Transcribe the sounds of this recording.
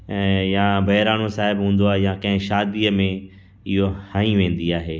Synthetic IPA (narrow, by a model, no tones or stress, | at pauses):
jãbɐɦɪɾaːnosaːɦɪbɦũːn̆d̪oaːɦejãkɐ̃ɦɪ̃ʃaːd̪iːəmẽ | ɪɦohãĩʋẽːn̆d̪iaːɦeː